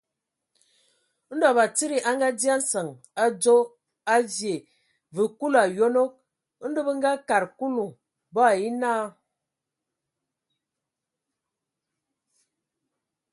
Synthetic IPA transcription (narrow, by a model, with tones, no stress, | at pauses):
n̩˦dɔ˨ba˨t͡si˦ɾi˨ʔa˦ŋ˦ɡa˦di˦a˦n̩˦sə˨ŋ | a˦d͡zo˦ | a˦vje˨ | vɨ˨ku˦la˨jo˦no˦k̚ | n̩˦du˦bə˦ŋ̩˦ɡa˦ka˨ɾku˦lu˨ | bɔ˦a˨ji˦naː˦˨